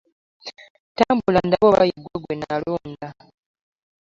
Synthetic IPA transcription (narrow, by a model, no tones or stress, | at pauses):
taːmbulandaβoβajiɡwoɡwenaaloːnda